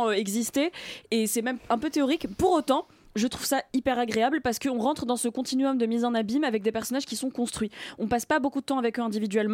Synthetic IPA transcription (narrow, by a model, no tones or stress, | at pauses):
ɛɡzist̪eesɛmɛmɛ̃pøt̪eɔʁikpuʁot̪ɑ̃ | ʒət̪χuvsaipɛʁaɡʁeablpaʁsə̥kəɔ̃ʁɑ̃t̪χd̪ɑ̃səkɔ̃t̪inɥɔmd̪əmizɑ̃nabimavɛk̚d̪epɛʁsɔnaʒ̥kʲisɔ̃kɔ̃st̪χɥiɔ̃paspabokud̪ət̪ɑ̃avɛkøɛ̃d̪ivid̪ɥɛlm